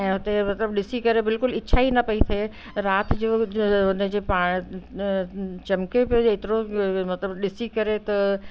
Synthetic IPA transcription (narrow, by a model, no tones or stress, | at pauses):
ɛ̃ːɦʊt̪emɐt̪ləbɗɪsikɐɾebɪlkʊlɪːʃʰaɦinɐpɐit̪ʰe | ɾaːt̪ʰd͡ʑoːʊnəd͡ʑepaːɽ̃ | t͡ɕɐmkepet̪ɪɾomɐt̪ləbɗɪsikɐɾet̪ɐ